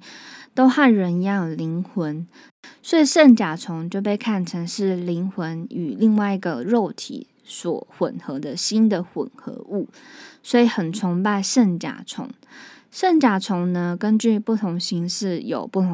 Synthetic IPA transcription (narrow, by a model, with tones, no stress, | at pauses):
t̪o˥ʊxa˥˩nɻə˧˥ni˧˦jɑ˥˩li˧˥ŋxwə˧˦n | swɔ˧˥i˨˩ʂə˥˩nt͡ɕja˨˩ʈ͡ʂʰʊ˧˥ŋt͡ɕjo˥˧ʊp̬e˥˧ɪkʰa˥˩nʈ͡ʂʰə˧˥ŋʂɻ̩˥˩li˧˥ŋxwə˧˦ny˨˩li˥˧ŋwa˥˩ɪi˧˥ɡə˨ɻo˥˩ʊt̪ʰḭ˨˦ | swɔ̰˨˩xwə̰˨˩nxɤ˧˥d̪ə˧ɕi˥nd̪ə˨xwə̰˨˩nxɤ̰˧˥ʔu˥˩ | swɔ˧˥i˨˩˦xə˨˩nt͡sʰʊ˧˥ŋpa˥˧ɪʂə˥˩nt͡ɕja̰˨˩ʈ͡ʂʰʊ̰˧˥ŋ | sə˥˩nt͡ɕja˨˩ʈ͡ʂʰʊ˧˥ŋnə˧kə˦nt͡ɕy˥˧pu˥˩t̪ʰʊ˧˥ŋɕi˧˥ŋʂɻ̩˥˩jo˨˩ʊpu˥˩t̪ʰʊ˧